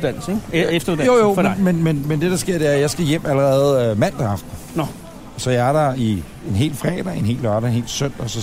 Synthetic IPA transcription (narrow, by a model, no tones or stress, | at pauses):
d̥æn̰l̩seɡefd̥ɐu̥jojo̰memenmenmend̥e̝d̥ɑsɡ̥e̝ɐ̰d̥e̝æɐjɑ̈ɪsɡ̥æjem̰æləʁɛːð̞̩ˠømæn̰d̥ɑɑ̈fd̥̩ | n | sɒ̽jɑ̈æɐɾɑi | e̝nɦe̝̰ːl̥fʁɛ̰ːd̥ɐe̝ne̝̰ːlɶɐɾɐenhe̝̰ːlsøn̰d̥ɒsɒ̽